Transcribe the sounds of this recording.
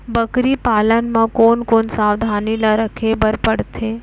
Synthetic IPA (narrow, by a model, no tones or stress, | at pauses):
bəkɾipalənmãkonkonsaʋd̪ʱanilaɾəkʰebəɾpəɽt̪ʰe